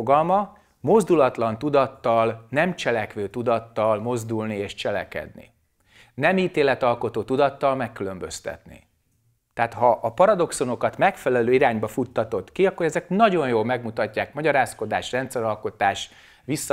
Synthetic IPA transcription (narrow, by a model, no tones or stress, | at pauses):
oɡɒlmɒ | mo̞zd̪ulɒt̪lɒnt̪ud̪ɒt̪ːɒlnɛmt͡ʃɛlɛkʋøːt̪ud̪ɒt̪ːɒlmo̞zd̪ulnieːʃt͡ʃɛlɛ̰kɛ̰d̪nḭ | nɛmiːt̪eːlɛt̪ɒlko̞t̪oːt̪ud̪ɒt̪ːɒlmɛkːylø̞mbø̞st̪ɛ̰t̪nḭ | t̪ɛaːt̪ɦɒʔːpɒɾɒd̪o̞kso̞no̞kɒt̪mɛkfɛlɛløːiɾaːɲbɒfut̪ːɒt̪o̞t̪kiɒkːoɾɛzɛknɒɟo̞jjoːlmɛɡmut̪ɒcːaːkmɒɟɒɾaːsko̞d̪aːʃrɛnt̪sɛɾɒlko̞t̪aːʃ | ʋisːɒ